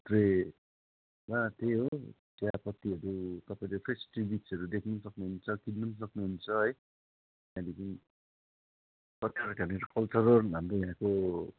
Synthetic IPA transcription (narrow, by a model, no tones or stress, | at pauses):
t̪re | wat̪eɦot̪japʌt̪ːiʌɾut̪ʌpaĩlepʰesʈribit͡sʌɾud̪ekʰnusʌknuɦunt͡sʰʌkilːunʌs̬ʌknuɦunt͡sʰʌɦʌj | jãlikin | pʌt̪ːeʌɾkaneɾkʌlt͡sʌɾʌrɦamrojãko